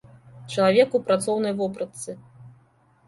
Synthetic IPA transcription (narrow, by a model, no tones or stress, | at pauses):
t͡ʃɐlˠavʲɛkupɾat̪sɔwnɐjvɔpɾɐt̪sɨ